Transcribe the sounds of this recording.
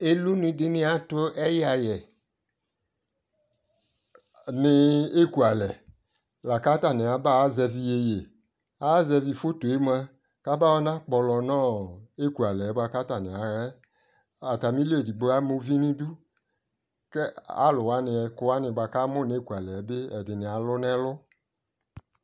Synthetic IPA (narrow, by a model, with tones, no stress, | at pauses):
e˦lu˦nĩ˧˦dɪ˦nɪ̃˧a˦to˦ɛ˦ja˧jɛ˨ | nɪ˧e˦˨ku˨a˨lɛ˨ | la˨ka˦ta˦˨nɪ̃˨a˨˦ba˦zɛ˧vi˧e˧je˨ | a˦zɛ˧vi˧fo˦to˨e˦m˦a˧ | ka˦ba˦wɔ˦nã˦k͡pɔ˧lɔ˧nɔ̃˦˨e˦ku˨a˨lɛ˨˦ba˧ka˦ta˨nɪ̃˨a˨˦ɾɛ˦ | a˨ta˨mĩ˦li˦e˨di˨ɡ͡bo˦a˦mo˦vi˦nĩ˦du˦ | kɛ˦a̰˦lʊ˨wa˨˦nɪ˧ɛ˧kʊ˧˦wa˦nɪ̃˧ba˧ka˦mʊ̃˦˨n˨˦e˦˨ku˨a˨lɛ˨˦bɪ˦ɛ˨dɪ˨nɪ̃˨a˨lʊ˦nɛ̃˦lʊ˦